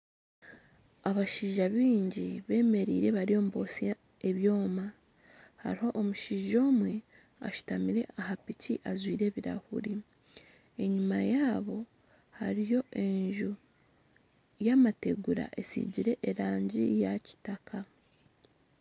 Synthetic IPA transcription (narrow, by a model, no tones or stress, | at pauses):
aβaʃiːʒaβiːɲɟiβe̞ːme̞ɾḭːɾe̞βaɾio̞ːmubo̞si | e̞βjo̞ːma | ha̰ɾiho̞ʔːmuʃiːʒo̞ːmwe̞ | a̰ʃu̥tamiɾe̞ʔahapiciʔazwiːɾe̞ːβiɾa̰hṵɾi | e̞ɲumajaːβo̞ | haɾijo̞ʔe̞ɲʒu | jaːmate̞ɡuɾa̰ʔe̞sḭɟiɾe̞ʔeɾaːɲɟḭjaci̥takʰa